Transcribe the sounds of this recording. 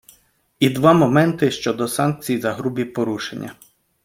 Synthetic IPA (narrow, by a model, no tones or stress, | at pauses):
id̪ʋɑmɔmɛnt̪ɪʃt͡ʃɔd̪ɔsɑnk̚t͡sʲijzɐɦɾubʲipɔɾuʃenʲːɐ